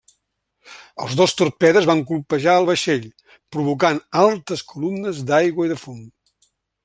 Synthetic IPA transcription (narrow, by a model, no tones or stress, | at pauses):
ə̰lˠzðost̪urpɛðəzβaŋk̬ulˠpəʒaəlˠβəʃeʎ | pɾuβuk̬analˠt̪əskulumnəzd̪ajɣwəiðəfon